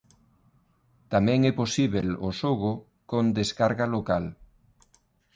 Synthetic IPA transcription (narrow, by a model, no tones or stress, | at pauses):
t̪amɛ̃ŋɛposiβelo̰soɣo | kõnd̪eskaɾɣalokal